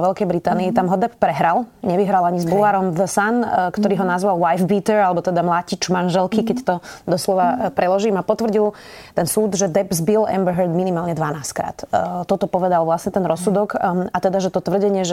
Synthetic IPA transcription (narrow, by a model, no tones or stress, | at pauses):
ʋɛlkɛjbɾit̪aːniːt̪amɦɔd̪ɛppɾɛɦɾalɲɛʋiɦɾalaɲizbulaɾɔmðəsankt̪ɔɾiːɦɔnazʋalwajfbiːt̪ɛɾalɛbɔt̪ɛd̪amlaːcit͡ʃmanʒɛlkikɛct̪ɔd̪ɔslɔʋapɾɛlɔʒiːmapɔt̪ʋr̩ɟilˠ | t̪ɛnsuːd̪ʒɛd̪ɛbzbilɛ̰mbəɦɛɾd̪minimaːlɲɛd̪ʋanaːskɾa̰ːt̪t̪ːɔt̪ɔpɔʋɛd̪alʋlasɲɛt̪ɛnɾɔsːud̪ɔkat̪ɛd̪aʒɛt̪ɔt̪ʋr̩ɟɛɲɪɛʒɛ